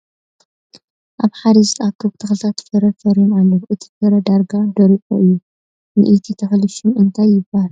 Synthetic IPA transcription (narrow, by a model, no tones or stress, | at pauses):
ʔaβħad̪ɐzt̪akːɨβt̪ʰɐxlt̪ʰat̪fɐɾɐfɐɾinalːoβʔɨt̪ʰi̥fɐɾɐd̪aɾɡad̪ɐɾikʼuʔɨjːu | nɨ̰ʔit̪ʰit̪ʰɐxlɨʃunɨnt̪ʰajːɪbːal